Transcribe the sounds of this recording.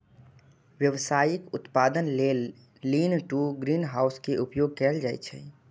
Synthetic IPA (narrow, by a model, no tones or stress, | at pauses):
ʋjəʋsaːjɪkʊt̪paːd̪ənleːlː | iːnʈuɡɾiːnɦaːʊskeʔʊpjoːɡ̚kɛːld͡ʒaːḭt͡ʃʰɛ̰